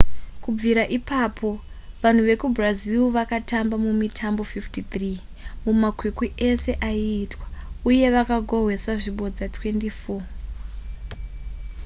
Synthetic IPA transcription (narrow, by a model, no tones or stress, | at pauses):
kub͡viɾaʔipapʰo̞ | ʋan̤uʋe̞kubraziuʋakatambamumitʰambo̞fiftit̪ri | mumakwikwie̞se̞ʔaiːtwauje̞ʋakaɡʱo̞ɦwe̞swaʐiɓo̞d͡zatwe̞ndifo